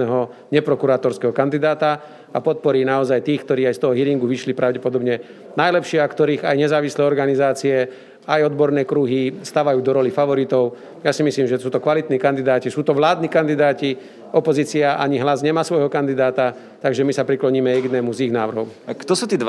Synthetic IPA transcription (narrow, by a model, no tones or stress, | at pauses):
ɛɦɔɲɛpɾɔkuɾaːt̪ɔɾskɛɦɔkand̪id̪aːt̪a | apɔt̪̚pɔɾiːnaɔzajt̪iːxk̚t̪ɔɾiːajst̪ɔɦɔɦiɾiŋɡuʋiʃlipɾʔaʊɟɛpɔd̪ɔbɲɛ | najlɛpʃɪɛakt̪ɔɾiːɣajɲɛzaːʋislɛːɔɾɡanizaːt͡siɛ | ajɔd̪bɔɾnɛːkɾuɦist̪aːʋajuːd̪ɔɾɔlifaʋɔɾit̪ɔʊ | jasimisliːmʒɛsuːt̪ɔkʋalit̪niːkand̪id̪aːcisuːt̪ɔʋlaːd̪niːkand̪id̪aːci | ɔpɔziːt͡siaʔaɲiɦlazɲɛmaːsʋɔjɦɔkand̪id̪aːt̪a | t̪aɡʒɛmisapɾiklɔɲiːmɛjɛɡd̪nɛmuziɣnaːʋr̩ɦɔʊt̪ɔsuːt̪iːd̪